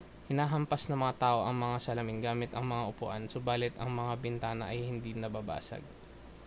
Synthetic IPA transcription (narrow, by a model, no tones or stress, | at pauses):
hɪnaːɦɐmpɐsnɐmɐŋat̪aːʔo̞ʔɐŋmɐŋasɐlɐmɪnɡaːmɪt̪ɐŋmɐŋaʔʊpʊ̰ʔansʊbaːlɪt̪ɐŋmɐŋabɪnt̪aːnɐʔɐjhɪnd̪inɐbaːba̰ːsɐ̰ɡ̚